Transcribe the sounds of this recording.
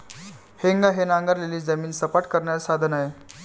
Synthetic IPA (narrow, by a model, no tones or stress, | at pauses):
heŋɡaɦenaŋɡəɾleliːd͡zəmiːnsəpaʈkəɾɳjaɾsad̪ʱənaɦe